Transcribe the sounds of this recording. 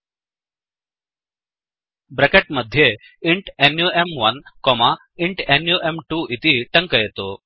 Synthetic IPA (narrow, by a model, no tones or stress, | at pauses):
bɾekeʈməd̪ʱje | iɳʈenjuemʋənkɔma | iɳʈenjuʔemʈuʔit̪iːʈəŋkəjet̪o